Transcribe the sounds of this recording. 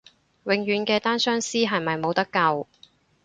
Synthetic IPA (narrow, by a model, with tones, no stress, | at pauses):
wɪ˨˧ŋjyː˨˥nkɛː˧t̪aː˥nsœː˥ŋsiː˥ɦɐ˨jmɐ˨jmo˨˧wt̪ɐ˥kːɐ˧w